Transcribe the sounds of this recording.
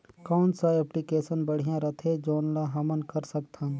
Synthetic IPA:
kɔːnsaɛplikeːsənbəɽ̤ijãɾɐt̪ʰed͡ʒoːnlaɦɐmənkəɾsək̚t̪ʰã

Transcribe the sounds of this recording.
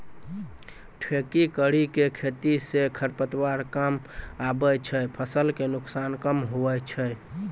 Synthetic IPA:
ʈʰekikəɽikekʰet̪isekʰəɾpət̪waɾkəmabət͡ʃʰəpʰəsəlkenʊksankəmɦobɛt͡ʃʰə

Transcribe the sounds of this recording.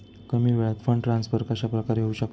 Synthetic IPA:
kəmiːʋeɭat̪fəɳɖʈɾansfəɾkəɕapɾəkaɾɦeuɕək

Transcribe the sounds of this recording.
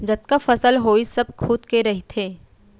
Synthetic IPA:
d͡ʒɐt̪̚kafɐsəlɦoːisɐb̚kʰuːd̪keɾɐɦit̪ʰeː

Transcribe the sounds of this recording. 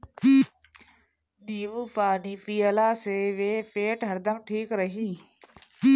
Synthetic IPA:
ɗiːʋuːpaːɗiːpiːəlaːseːʋeːfeːʈɦəɾd̪əmʈʰiːkɾəɦiː

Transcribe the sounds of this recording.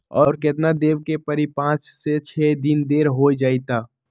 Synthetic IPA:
ɔːɾkɪt̪nad̪eːʋkepəɾipãːt͡ʃset͡ʃʰɛːd̪ɪnd̪eːɾɦoːd͡ʒaːit̪aː

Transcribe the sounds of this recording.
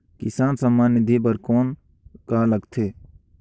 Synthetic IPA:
kɪsaːnsəmːaːnid̪ʱipəɾkoːn | kaːləɡt̪ʰeː

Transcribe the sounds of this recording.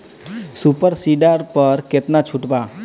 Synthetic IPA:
supəɾsiɖaɾpəɾket̪nat͡ʃʰuʈba

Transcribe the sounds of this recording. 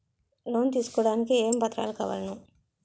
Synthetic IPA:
lo̞ːnt̪iːsu̥kɔːɽaːnikieːmbɐt̪ɾa̰ːluka̰ːʋɐ̰lɐnu

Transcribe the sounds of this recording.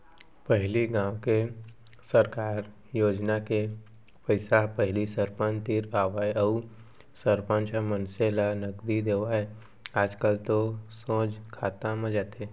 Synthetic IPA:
pəɦliɡãːwke | səɾkaːɾ | joːd͡ʒnake | pəɪsapəɦlisəɾpə̃nt̪iːɾaːʋaːjəu | səɾpə̃nt͡ʃamə̃nselanəɡd̪id̪eːʋae | aːd͡ʒkəlt̪osõːd͡ʒkʰaːt̪ãmə̃d͡ʒaːt̪ʰe

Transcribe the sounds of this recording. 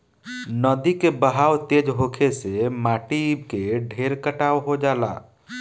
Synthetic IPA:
nəd̪ikebəɦaːwt̪eːd͡ʒɦokʰesemaːʈibkeɖʱeɾkəʈaːwɦod͡ʒaːla̰ː

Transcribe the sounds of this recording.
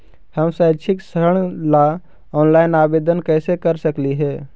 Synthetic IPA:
həmsaːt͡ʃʰɪksəɾəɽ̃la | ɔːnlaːɪnaːbeːd̪ənkɛːsekəɾsəkliɦɛː

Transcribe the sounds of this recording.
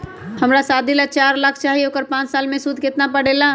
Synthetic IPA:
hɐmɾasaːd̪ʱilat͡ʃaːɾlakʰt͡ʃaːɦiokəɾpãːt͡ʃsaːlmẽsud̪ʱkɪt̪nap̬əɽ̤eːlaː

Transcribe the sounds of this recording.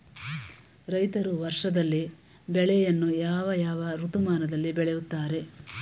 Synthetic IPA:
ɾɐjt̪ɐɾuʋɐɾʂɐd̪ɐlːi | bɛɭɛjɐnːujaːʋɐjaːʋɐɾut̪umaːnɐd̪ɐlːibɛɭejut̪ːaːɾe̞

